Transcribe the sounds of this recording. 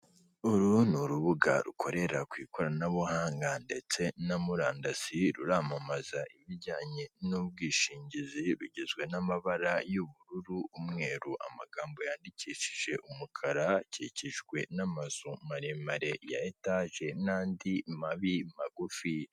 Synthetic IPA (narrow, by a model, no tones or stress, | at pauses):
uɾunuɾuβuɡa̰ɾṵkʰo̞ɾe̞ɾakwiːkoɾanaβohaːŋɡande̞t͡se̞namuɾaːndaziɾuɾaːmamazaʔiβiɟaːɲe̞nub̚ɡiːʃiːɲɟiziɾuɟezɡwe̞namaβaɾajuβuɾuɾuːmŋe̞ːɾuʔa̰maɡaːmbo̞jaːndiciːʃi̥ʒ̥e̞ʔumukʰaɾaciciʒɡwe̞namaz̥omaɾemaɾe̞ja̰etaʒe̞naːndimaβimaɡufi